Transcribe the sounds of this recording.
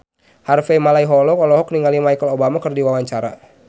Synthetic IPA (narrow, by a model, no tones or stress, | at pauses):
harfemalaiɦɔlɔkɔlɔɦɔk̚niŋalimajkəlobamakɨrdiwawaɲt͡ʃaɾa̰